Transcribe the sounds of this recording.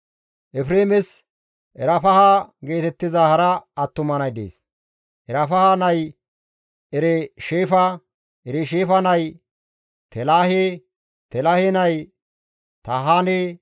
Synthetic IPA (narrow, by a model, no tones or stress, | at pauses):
ʔɛfɾeːmɪs | ʔɛɾɐfɐhaɡe̞ːt̪ɛt̪ːɪzahɐɾɐːt̪ːʊmɐnɐjd̪ḛːs | ʔɛɾɐfɐhanɐj | ʔɛɾɛʃeːfɐ | ʔɛɾɛʃeːfɐnɐj | t̪ɛlaːhe | t̪ɛlɐhenɐj | t̪ɐɦaːne